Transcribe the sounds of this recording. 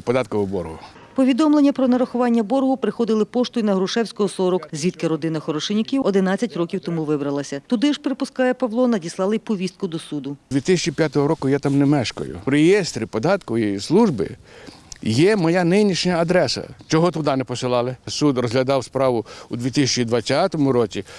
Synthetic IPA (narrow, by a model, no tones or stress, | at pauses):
pɔd̪ɑt̪̚kɔʋʊbɔrɦʊ | pɔʋʲid̪ɔmlˠenʲːɐpɾɔnɐɾɐxʊʋɑnʲːɐbɔɾɦʊpɾɪxɔd̪ɪlˠɪpɔʃt̪ʊjinɐɦɾʊʃɛwsʲkɔɦɔsɔɾɔkzʲʋʲit̪̚kɪɾɔd̪ɪnɐxɔɾɔʃenʲɪkʲiwɔd̪ɪnɑt͡sʲːɐtʲrɔkʲiwt̪ɔmuʋɪbɾɐlˠɐsʲɐt̪ʊd̪ɪʒpeɾepʊskɑjɛpɐʋlˠɔnɐdʲislˠɑlˠɪpɔʋʲist̪̚kʊd̪ɔsud̪ʊd̪ʋʲit̪ɪsʲt͡ʃipʲjat̪ɔɦɔɾɔkʊjɛt̪ɑmnɛmɛʃkɔ̰jʊ̰ɾejɛst̪ɾʲipɔd̪ɑt̪kʊʋjeislˠuʒbɪ̰ | jɛmɔjɑnɪnʲiʃɲʲɐːd̪ɾɛsɐ̰t͡ʃɔɦɔt̪ʊd̪ɑnɛpɔsɪlˠɑlˠɪsud̪rɔzɦlʲɐd̪ɑwspɾɑʋʊud̪ʲʋʲit̪ɪsʲɛt͡ʃid̪ʋɐt͡sʲːat̪ɔmʊɾɔt͡sʲi